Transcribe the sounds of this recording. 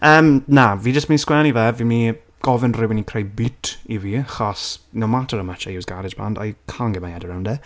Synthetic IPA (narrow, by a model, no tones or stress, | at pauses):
əːmnaviːd͡ʒəstminskwɛnivɛvimi | ɡ̥ɔvɪnrɪwɪnikʰrejbɪtʰiviχɔsnomatʰəɾəmat͡ʃajuwsɡaɾɪd͡ʒb̥a̰ndɔ̰jkʰanɡɛmajadəɾawndɛ